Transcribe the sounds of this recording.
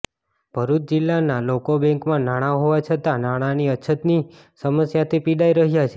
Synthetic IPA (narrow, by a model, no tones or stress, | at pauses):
b̥ʱəɾud͡ʒilːanalokobɛ̃ŋkmãnaɽ̃aɦoʋat͡ʃʰət̪anaɽ̃aniəːt͡ʃʰət̪ni | səməsjat̪ʰipiɽaiɾəɦjat͡ʃʰe